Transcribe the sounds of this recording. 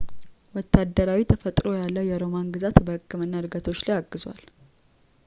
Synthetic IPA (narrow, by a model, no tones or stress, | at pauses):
wɔt̪ʰːad̪ːəɾawit̪ʰəfət̪ʼɾo̞jalːəwjɛɾo̞manɡɨzat̪bəhɨkʰʼːɨmɨnːaɨɾɡət̪ʰot͡ʃːlajaɡːɨzwa̰l